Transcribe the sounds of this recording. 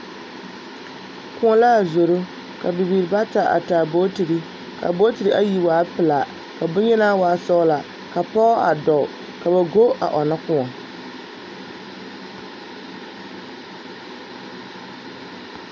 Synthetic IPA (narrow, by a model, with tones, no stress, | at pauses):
kʊ˦ŋɔ˦la˦˨zo˨ɾʊ˦ | ka˨bɪ˨biː˨ɾba˦ta˨ʔa̰˨ta˨bo˦ti˨ɾi˦ | ka̰˨bo˦ti˨ɾi˨˦ʔa˦ji˨waː˨˦pɪ˨la˨ | ka˨bʊ˦ɲɛ˦na˦waː˨˦sɔ˦la˨ | ka˨pɔ˦a̰˨dɔ˨ | ka˨ba˨ɡo˦ʔa̰˨ʔɔ˨na˦kʊ˦ɔ˨